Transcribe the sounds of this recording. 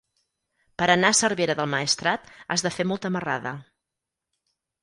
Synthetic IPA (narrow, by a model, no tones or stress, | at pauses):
pəɾənaəsərβeɾəðəlˠməest̪ɾat̪azðəfemɔlˠt̪əməraðə̰